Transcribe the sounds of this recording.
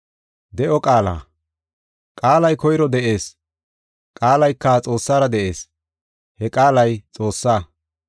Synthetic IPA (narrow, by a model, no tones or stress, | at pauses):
d̪ɛʔɔkʼaːla̰ː | kʼaːlɐjkɔjɾɔd̪ɛʔe̞ːs | kʼaːlɐjkːɐt͡sʼo̞ːsːaːɾɐd̪ɛʔe̞ːs | hɛkʼaːlɐjt͡sʼo̞ːsːaː